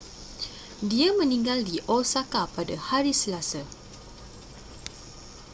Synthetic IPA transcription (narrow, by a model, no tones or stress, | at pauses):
diamə̃nĩŋɡaldiʔɔsakapadahaɾisəlasa